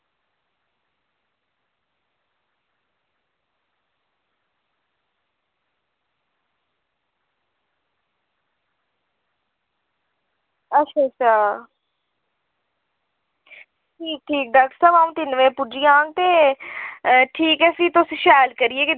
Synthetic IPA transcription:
ətʃʰaːt͡ʃʰaː | ʈʰiːk̚ʈʰiːk̚ɖaːk̚ʈəɾsaːbaːũːt̪ɪnʋeːpʊd͡ʒijãːŋɡ̚t̪eː | ʈʰiːkɛːsiːt̪ʊsʃaːlkəɾieːke

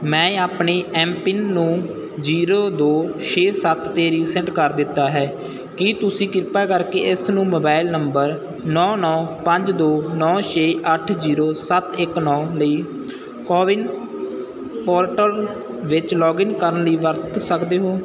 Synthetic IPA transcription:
mɛ̃ːaːpɳeːʔɛːmpɪnːũː | d͡ʒiːɾoːd̪oːʃeːsət̪ːeːɾiːsɛɳʈkəɾd̪ɪt̪ːaːɦɛː | kit̪ʊsĩːkɪɾpaːkəɾkeːɪsnũːmoːbaːɪlnəmbəɾ | nɔ̃ːnɔːpəɲd͡ʒd̪oːnɔːʃeːʔəʈʰziːɾoːsət̪ɪknɔːləiː | kɔːʋɪn | pɔːɾʈəl | ʋɪt͡ʃlɔːɡɪnkəɾənləiːʋəɾt̪səkd̪eːɦoː

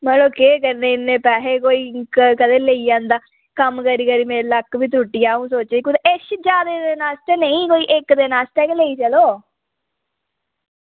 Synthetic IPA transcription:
məloːkeːkəɾneːɪnːẽːpɛːɦeːkoːiːkkəd̪eːləiːãːnd̪aː | kəmkəɾiːkəɾiːmeːɾləkːʋiːt̪̬uːʈːɪjaːũːsoːt͡ʃeikʊd̪eeʃd͡ʒaːd̪eːd̪eːnaːsʈ̪enəĩːkoːiːʔɪkd̪eːnaːsʈ̪eːkleiːt͡ʃəloː

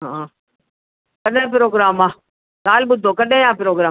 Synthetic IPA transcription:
ɦã | kɐɗẽp̬ɾoːɡɾaːmãː | kaːlɓʊd̪ʱokɐɗẽãːpɾoːɡɾaː

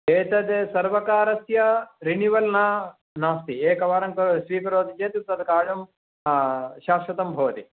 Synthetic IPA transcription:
eːt̪ɐd̪eːsɐɾʋɐkaːɾɐsjɐɾiniʋɐlnaː | naːst̪ieːkɐʋaːɾɐŋkɐʃʋiːkɐɾoːd̪ʱit͡ʃeːt̪it̪ɐd̪kaːɻɐm | ʃaːʃɐt̪ɐmbʱɐʋɐt̪i

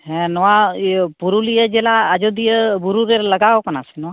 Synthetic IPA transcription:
ɦɛ̃nɔwapuɾulijəd͡ʒelaːd͡ʒod̪ijəbuɾuɾeɾləɡaokənasɛnɔwa

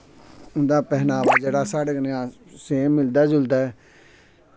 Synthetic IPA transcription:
ʊnd̪aːpɛɦnaːʋad͡ʒeːɽaːsaːɽeːɡənjãː | seːmɪld̪aːd͡ʒʊld̪aːɛ

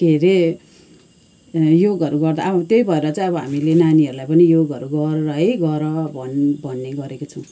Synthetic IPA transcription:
ɡ̪̥ʱeɾe | joɡʌɾuɡʌrd̪a̰ʌt̪jʌjbʱʌeɾʌt͡sʌĩʌbʌɦamilenaniʌɾulajpʌnijoɡʌɾuɡʌrʌɦɡʌɾʌbʱʌnbʱʌnːeɡʌɾekot͡sʰʌw̃

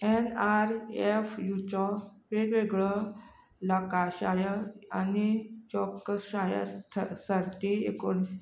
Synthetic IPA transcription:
enaɾefjut͡ɕɔpeɾʋeɡɭə | lakaɕajəanit͡ɕɔkːəɕajə̰səɾt̪eḛkon

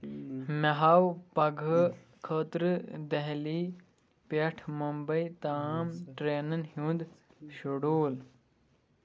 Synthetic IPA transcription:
mɐɦawpɐɡʱə | kʰəːt̪ɾəd̪ɐɦliː | pɐʈʰmɐmbəjt̪amʈɾeːnənɦũːnd̪ | ɕuɽoːl

